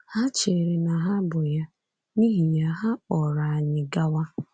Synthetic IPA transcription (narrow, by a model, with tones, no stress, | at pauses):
ha˦t͡ʃe˨ɾe˨na˨ɦa˦bʊ˨ja˦ | ni˦ɦi˨ja˦ɦa˦ɔ˨ɾa˨a˨ɲɪ˨ɡa˦wa˦